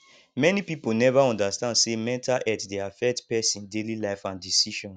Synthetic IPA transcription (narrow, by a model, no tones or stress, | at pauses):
mɛnipipolnɛvaɔ̃ndastãndsemɛ̃ntalʔɛtdeafɛk̚tpɛsĩndelilaɪfãndisiʃɔ̃n